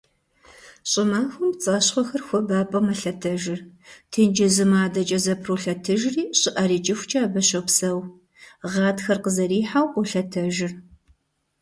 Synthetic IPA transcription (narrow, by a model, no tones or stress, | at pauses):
ɕʼɪmaːxʷʊmt͡sʼɐːɕχʷɔxɐrxʷɔbaːpʼɐmɐɬɐtʰɐʒɪrtʰɨnd͡ʒɪzɨmaːdɐt͡ʃʼɐzɐpʰroːɬɐtʰɨʒriːɕʼɪʔɐɾiːt͡ʃʼɪxʷt͡ʃʼɐːbɐɕɐpsɐw | ʁɑːtxɐrqəzɐɾiːħawqʷʊɬɐtʰɐʒɪr